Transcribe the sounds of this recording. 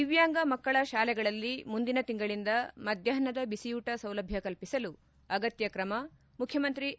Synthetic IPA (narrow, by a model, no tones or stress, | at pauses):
iʋjaːŋɡɐmɐkːɐɭɐʃaːlɛɡɐɭɐlːimund̪inɐt̪iŋɡɐɭind̪ɐmɐd̪ʱjɐɦɐnɐd̪ɐbisijuːʈɐsɐwlɐbʱjɐkɐlpisɐlu | ɐɡɐt̪jɐkɾɐmɐ | mukʰjɐmɐnt̪ɾi